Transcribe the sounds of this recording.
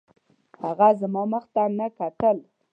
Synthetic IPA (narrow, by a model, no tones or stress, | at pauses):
haɣazamɑməxt̪anakat̪əl